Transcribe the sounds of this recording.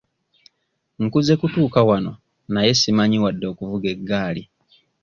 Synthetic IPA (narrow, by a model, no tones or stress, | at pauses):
ŋ̩kuze̞kutuːkawano̞̰ | naje̞simaɲiwadːo̞ːkuvuɡe̞ɡːaːli